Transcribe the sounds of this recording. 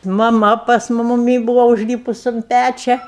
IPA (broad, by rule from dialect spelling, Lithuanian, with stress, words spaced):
mɐˈmɐ pɐs mʊ mʊˈmʲiː ˈbuːʋɐ ʊʒʲˈlʲiːpʊs ʊn ˈpʲæt͡ʃʲɛ